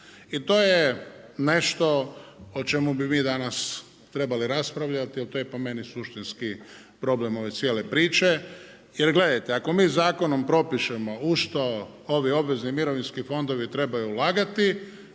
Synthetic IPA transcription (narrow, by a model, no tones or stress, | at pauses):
it̪o̞ːjene̞ʃt̪o̞ot͡ʃe̞mubimiːd̪anas | t̪ɾe̞baliɾaspɾaʋʎat̪ilt̪ojepome̞nisuʃt̪inski | pɾo̞ble̞mo̞ʋe̞t̪sjeːlepɾiːt͡ʃe̞ | jeɾɡle̞d̪ajt̪eako̞miːzaːko̞no̞mpɾo̞piʃemo̞uʃt̪o̞ | oʋio̞bʋe̞znimiɾo̞ʋinskifo̞nd̪o̞ʋit̪ɾe̞bajuːlaːɡat̪i